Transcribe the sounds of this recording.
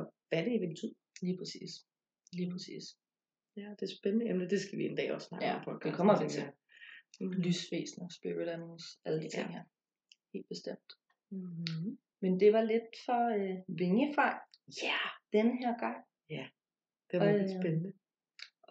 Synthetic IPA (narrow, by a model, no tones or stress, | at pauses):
ɒʋæd̥e̝iʋeb̥et͡sʰyð̰ˠliːpʰʁɛsḭːs | liːpʰʁɛsḭːs | æd̥eɐsb̥enənəemdəd̥e̝sɡ̥æʋiend̥ɛ̰ːɒ̽sːnɑ̈ːjɡæfɒ̽lɡ̥d̥ekʰɒ̽m̰ɐdet͡sʰe | lysfḛːsnɐsb̥iiɾ̥ænosæləd̥it͡sʰe̝̰ŋ̰heɐ | he̝̰ːld̥̚b̥e̝sd̥em̰d̥ | mend̥e̝ʋɑ̈led̥fɒøʋe̝ŋəfɑ̈ɪ̰jæd̥enəɦeɐ̰ɡ̥ɑ̈ŋ̰ | jæ | d̥eed̥sbenənə